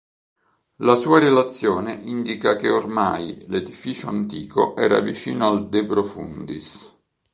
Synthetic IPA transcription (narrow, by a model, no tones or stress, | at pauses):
lasuːaɾelat̪sːjɔːneʔind̪ikakeormajled̪ifiːt͡ʃoant̪ḭːko̰ʔɛːɾa̰vit͡ʃiːnoald̪epɾofṵnd̪is